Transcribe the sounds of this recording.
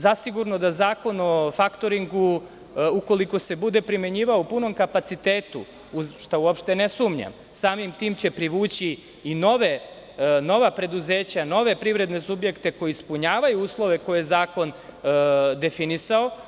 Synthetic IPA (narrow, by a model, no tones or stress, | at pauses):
zasiɡuɾno̞d̪azaːko̞nofakt̪o̞ɾiŋɡu | uko̞liko̞se̞bud̪e̞pɾime̞ɲiːʋaoupuno̞mkapat̪sit̪eːt̪ṵ | uzʃt̪auopʃt̪e̞nesuːmɲa̰m | saːmimt̪iːmt͡ɕe̞pɾiʋuːt͡ɕiː | no̞ʋe̞ | no̞ʋapɾe̞d̪uze̞ːt͡ɕano̞ʋe̞pɾivɾe̞d̪ne̞subje̞kt̪e̞ko̞jiispuɲaːʋajuuːslˠo̞ʋe̞kojjezaːko̞n | d̪e̞finisao̞